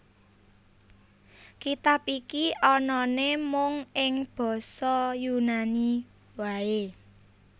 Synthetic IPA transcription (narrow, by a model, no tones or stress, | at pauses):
kit̪ap̚ikiʔɔnɔnemʊŋɪŋb̥ɔ̤sɔjunani | wae